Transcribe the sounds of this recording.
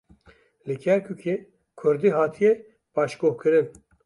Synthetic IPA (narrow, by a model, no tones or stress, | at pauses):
lɨkʰɛɾkʰukʰe | kʰʊɾd̪iɦɑːt̪ʰijɛ | b̥ɑːʃɡoːhkʰɨɾɨn